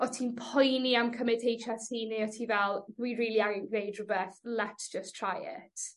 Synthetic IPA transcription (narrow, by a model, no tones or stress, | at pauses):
ɔtʰinpʰɔjniamkʰəmɪdʰejʃasʰiːniɔtʰivɛlˠdwiɹiːliaŋɪnɡnejdɹəbɛθlɛtsd̥ʒ̥əstʰɹ̥ajɪ̰tt